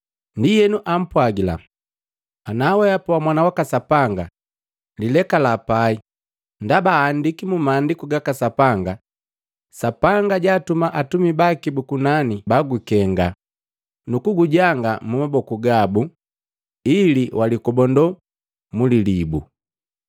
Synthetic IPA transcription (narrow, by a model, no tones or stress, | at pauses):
ndijɛnuʔam̩pwaɡila̰ | anawɛapɔwamwanawakasapaŋɡa | lilɛkalapai | ndabaːndikimumandikuɡakasapaŋɡa | sapaŋɡaɟaːtumaʔatumibakibukunanibaɡukɛŋɡa | nukuɡuɟaŋɡamumabɔkuɡabu | iliwʔalikɔbɔndɔ | mulilibu